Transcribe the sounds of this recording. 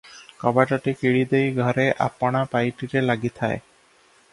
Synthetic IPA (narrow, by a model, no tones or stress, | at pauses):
kɔbaʈɔʈikiɽid̪ejɡʱɔɾeʔa̰pɔɽ̃apajʈiɾelaɡit̪ʰae